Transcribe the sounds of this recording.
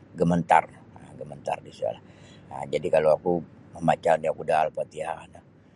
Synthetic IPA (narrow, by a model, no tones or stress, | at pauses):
ɡəmənt̪a̰r | əɡəmənt̪a̰rdisia̰laə̰md͡ʒadikaloakuməmat͡ʃaniakudaːlpat̪ianə